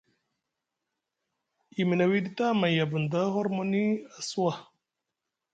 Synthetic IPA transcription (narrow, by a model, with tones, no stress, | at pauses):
i˨mi˨na˨wi˦d̪i˦t̪a˦ma˨ja˨bu˨nd̪a˦ɦo˦ɾmo˦ni˦a˨swa˦